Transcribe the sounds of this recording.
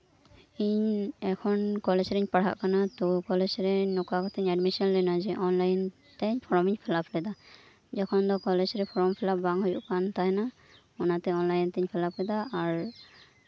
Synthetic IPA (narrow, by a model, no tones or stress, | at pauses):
iɲɛkʰɔnkɔlɛsɾɛɲpaɽ̤a̰ʔkanat̪ukɔlɛd͡ʒɾɛnɔkakɔt̪ɛɲadmisɔnlɛnad͡ʒɛʔɔnlajn | taɲpʰɔɹɔmiɲpʰɛlapʰlɛd̪a | d͡ʒɔkʰɔnd̪ɔkɔlɛd͡ʒɾɛpʰɔɹɔmpʰɛlabaŋhɔjuʔkant̪aɦɛna | ɔnat̪ɛɔnlajnt̪ɛɲpʰɛlap̚kɛd̪aːɹ